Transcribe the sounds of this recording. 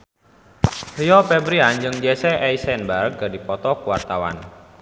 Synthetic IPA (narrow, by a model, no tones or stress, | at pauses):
hjɔpɛbɾiand͡ʒəŋd͡ʒɛsɛʔɛjsɛnbark̚ɡadipɔt̪ɔkuwart̪awa̰n